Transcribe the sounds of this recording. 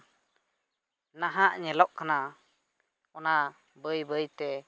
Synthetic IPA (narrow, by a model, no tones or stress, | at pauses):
naɦaʔɲɛlɔʔkana | ɔna | bəjbəjt̪ɛ